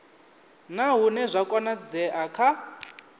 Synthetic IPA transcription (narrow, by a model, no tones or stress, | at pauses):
naɦunɛzʷakʼɔnad͡zɛʔakʰa